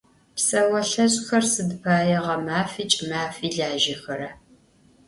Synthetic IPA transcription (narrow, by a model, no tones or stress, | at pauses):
psɐwɐɬɐɕʼxɐrsɨdpʰaːjɛʁɐmaːfiːt͡ʃʼmaːfiːɮaːʒɐxɐɾɐ